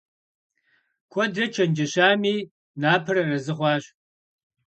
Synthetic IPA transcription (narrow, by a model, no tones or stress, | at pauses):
kʷʰɔdrɐt͡ʃʰɐnd͡ʒɐɕaːmiː | naːpʰɨrɐrɐzɨχʷɑːɕ